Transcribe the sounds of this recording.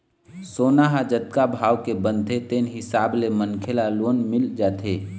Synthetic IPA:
soːnaɦad͡ʒət̪̚kabʱaːwkebə̃nd̪ʱet̪eːnɦɪsaːblemənkʰelaloːnmɪld͡ʒaːt̪ʰeː

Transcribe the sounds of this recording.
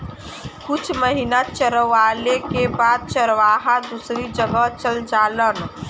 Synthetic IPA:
kʊt͡ʃʰməɦinat͡ʃəɾəʋaːlekebaːd̪̚t͡ʃəɾʋaːɦad̪usɾid͡ʒəɡət͡ʃəld͡ʒaːlən

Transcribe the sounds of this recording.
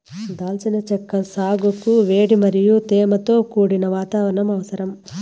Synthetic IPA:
d̪aːlt͡ʃɐnɐt͡ʃɛkːɐsaːɡukuʋeːɽimɐɾijut̪ɛːmɐt̪o̞ːkuːɽinɐʋaːt̪aːʋɐɾɐɳɐmɐʋɐsɐɾɐm

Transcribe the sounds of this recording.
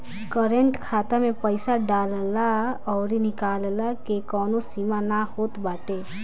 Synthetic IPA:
kəɾəɳʈkʰaːt̪amẽpəɪsaɖaːllaɔːɾinɪkaːllakekɔːnosimanahoːt̪baːʈe

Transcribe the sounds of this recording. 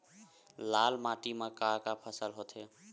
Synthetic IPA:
lalmaʈimakaɾkapʰəsəlɦot̪ʰe

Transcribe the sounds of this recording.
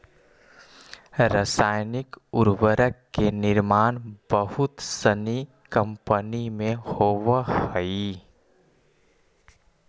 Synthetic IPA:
ɾəsaːjnɪkʊɾwəɾəkːenɪɾmaːnbəɦʊt̪səni | kə̃mpənimẽhoːwəhəi

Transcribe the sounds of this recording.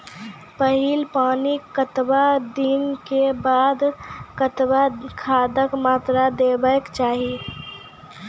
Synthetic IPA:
pəɦilpaːnikət̪bad̪inkebaːd̪kət̪bakʰaːd̪əkmaːt̪ɾad̪ebəkt͡ʃaːɦi

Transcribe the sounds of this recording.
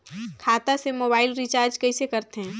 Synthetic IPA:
kʰaːt̪asemoːbaːɪlɾit͡ʃaːɾd͡ʒkɐisekɐɾt̪eɦɛ̃ː

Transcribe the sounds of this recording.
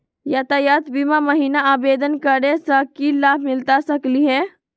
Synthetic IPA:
jat̪ajat̪bimaməɦiːnaaːbeːd̪ənkəɾesəkilaːbʱmɪlt̪asəkliɦɛ̃ː

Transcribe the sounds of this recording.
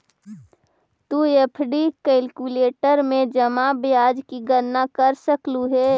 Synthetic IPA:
t̪uepʰɖikɛlkuleːʈəɾmẽd͡ʒəmabjaːd͡ʒkiɡəɾnakəɾsəkluɦɛː

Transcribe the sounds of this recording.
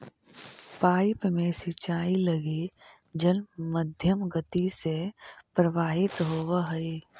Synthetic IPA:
paːɪpmẽsɪt͡ʃaːiləɡe | d͡ʒəlmːəd̪ʱjəmɡət̪isepɾəʋaːɦɪt̪ɦoːʋɦəe

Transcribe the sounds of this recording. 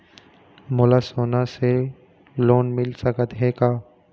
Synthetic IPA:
moːlasoːnase | loːnmɪlsəkət̪ɦekaː

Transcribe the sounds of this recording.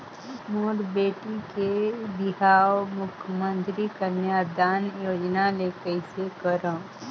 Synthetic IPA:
moːɾbeːʈikebɪɦaːwmʊkʰjəmə̃nt̪ɾikəɾnjad̪aːnjoːd͡ʒnalekəɪsekəɾõː

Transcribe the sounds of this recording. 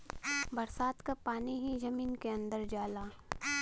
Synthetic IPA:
bɐɾsaːt̪kapaːniɦid͡ʒɐmiːnkeɐ̃nd̪əɾd͡ʒaːlaː

